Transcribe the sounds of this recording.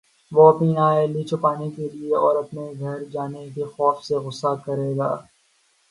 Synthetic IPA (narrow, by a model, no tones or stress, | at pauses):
ʋoɐpniaːeliːt͡ʃʰʊpaːnekelieɔːɾɐpneɡʱɐɾd͡ʒaːnekexɔːfseɣʊsːakɐɾeːɡaː